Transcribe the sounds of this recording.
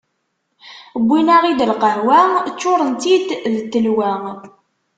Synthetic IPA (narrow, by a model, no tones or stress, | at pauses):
əbʷːinaʁid̪əlqəɦwæt͡ʃːʊɾˤənt̪id̪ðət̪ːəlwæ